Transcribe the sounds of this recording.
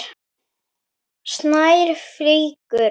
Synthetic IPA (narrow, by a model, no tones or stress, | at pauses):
snajɾ̥fliːkʏ